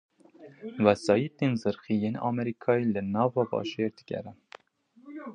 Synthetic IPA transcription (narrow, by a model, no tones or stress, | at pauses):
wæsɑːjit̪enzɨɾxijeːnɑ̰ːmɛɾikʰɑːjelɨnɑːvɑːbɑ̰ːʒeɾd̪ɨɡʲɛ̰ɾɛ